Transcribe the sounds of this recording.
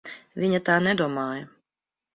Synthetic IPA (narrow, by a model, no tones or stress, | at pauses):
ʋʲinʲɐt̪ɑːnɛd̪ɔɔmɑːjɛ